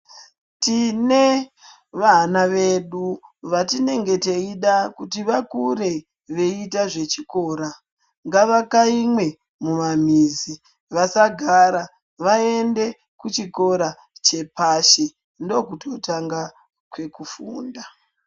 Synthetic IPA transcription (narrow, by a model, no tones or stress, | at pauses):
tine | ʋanaʋeɗuʋatine̞ŋɡe̞teiɗakutiʋakuɾe̞ | ʋe̞itaʐe̞t͡ʃiko̞ːɾa | ŋɡaʋakaimwe̞ | mumam̤iːzi | ʋasaɡʱaɾa | ʋae̞nde̞ | kut͡ʃiko̞ɾa | t͡ʃe̞paʃe | ndo̞kutʰo̞taŋɡa | kwe̞kufuːnda